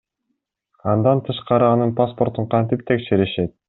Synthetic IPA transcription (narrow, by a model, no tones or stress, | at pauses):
ɑnd̪ɑnt̪ʰɯʃqɑɾɯɑnɯnpaspo̞ɾt̪uɴqʰɑnt̪ip̚t̪ʰe̞kʃeɾiʃe̞t̪̚